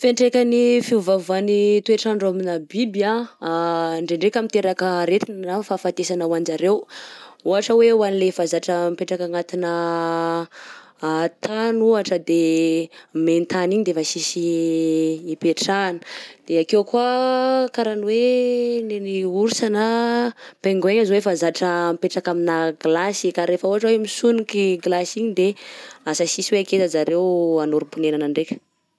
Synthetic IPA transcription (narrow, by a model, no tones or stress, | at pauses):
feɳʈ͡ʂekʲanifiuvavanit̪ueʈ͡ʂanɖ͡ʐoaminabiba | ɳɖ͡ʐeɳɖ͡ʐekʲamint̪eɾakəɾet̪innafafat̪esanawand͡ʒaɾewuɦaʈ͡ʂəwewanilefazaʈ͡ʂəmpeʈ͡ʂakaŋat̪inə | t̪anuaʈ͡ʂəd̪e | ment̪aniɲid̪efasisiː | peʈ͡ʂanə̥d̪̥eakewkuakaɾanweneniuɾusana | peŋɡeɲazwefazaʈ͡ʂəmpeʈ͡ʂakaminaɡlasikaɾefəuɦaʈ͡ʂəwemisunikiɡlasiɲid̪easəsisiweaket̪əzaɾewanuɾipunenanaɳɖ͡ʐekʲə̥